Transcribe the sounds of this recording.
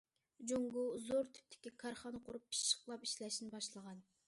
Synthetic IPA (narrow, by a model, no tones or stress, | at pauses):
d͡ʒoŋɡʊzoɾt̪ʰy̥p̚t̪ʰɪ̥kʲikʰɑɾχɑnqʰʊɾupʰːi̥ʃʃːə̥qlˠɑpiʃlɛʃinɪbɑʃlˠəʁɑn